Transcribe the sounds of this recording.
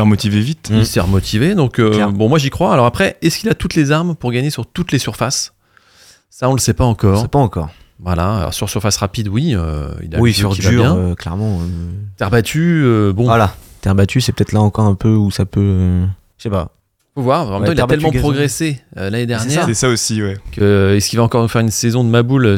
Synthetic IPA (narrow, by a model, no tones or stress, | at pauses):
ɛʁmɔt̪ivevit̪isɛʁmɔt̪ʰived̪ɔ̃køɛbɔ̃mwaʒikχwaːlɔʁapχɛɛskʲilat̪ut̪lezaʁmpuʁɡaɲesyʁt̪ut̪lesyʁfas | saɔ̃ləsɛpaɑ̃kɔːʁsɛpaɑ̃kɔ̰ʁ | vwala̰lɔ̰ʁsyʁsyʁfasʁapid̪wiø̰ḭlawisʁid̪yʁɛ̃øklɛ̰ʁmɑ̃øt̪ɛʁbat̪ʰyøbɔ̃alat̪ɛʁbat̪ʰysɛpø̥t̪ɛt̪χlaɑ̃kɔʁɛ̃pøusapøø | sɛpa̰ | fovwaʁɑ̃mɛmt̪ɑ̃iltaɛlmɑ̃pχɔɡʁeseølaned̪ɛʁnjɛːʁɛsaosiwɛkəɛskʲilvaɑ̃kɔʁnufɛʁynsɛzɔ̃d̪əmabulø